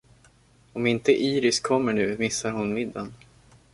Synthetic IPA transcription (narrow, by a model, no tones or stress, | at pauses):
ɔmɪnt̪əʔiːɾɪskʰɔmːəɳʉ̟ːmɪsːaɾhʊnmɪd̪ːan